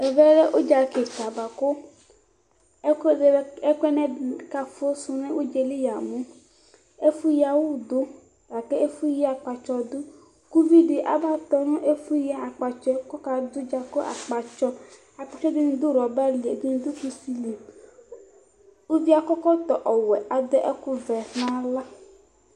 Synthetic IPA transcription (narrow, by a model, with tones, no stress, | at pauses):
e˨vɛ˦le˦ʔo˦d͡ʒa˨ke˨t͡ʃa˨ba˨ko˦˨ | e˦kɛ˦nɛ̃˦˨ka˦fo˦su˦nẽ˦wʔo˦d͡ʒe˨le˦ja˨mũ˦ | e˦fu˦ja˨wo˦˨d̪o˦ | a˨ke˦e˦fu˦ji˦a˨k͡pa˨t͡ʃɔ˨d̪u˦ | ku˦vi˦ɖi˨ʔa̰˨ba˦t̪ɔ˨nũ˦ʔe˦fu˦ja˦˨a˨k͡pa˨t͡ʃɔ˦kɔ˦ka˨d̪u˦d͡ʒa˨ko˦ʔa̰˨k͡pa˨t͡ʃɔ˦ | a˨k͡pa˨t͡ʃɔ˦d̪e˦nũ˦d̪u˦ɾɔ˨ba˦li˨e˨de˦nũ˦d̪u˦ku˦si˦li˨ | wu˦vi˦a˨kɔ˦kɔ˦t̪ɔ˨ʔɔ˨wɛ˨ʔa˨d̪e˦ʔe˦ku˦vɛ˨hnã˦la˦